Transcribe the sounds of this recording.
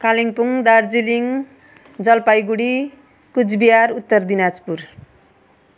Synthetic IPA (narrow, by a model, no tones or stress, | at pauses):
kaliŋpuŋd̪ard͡ziliŋ | d͡zʌlpajɡuɽi | kud͡zbijaɾut̪ːʌrd̪inad͡zpur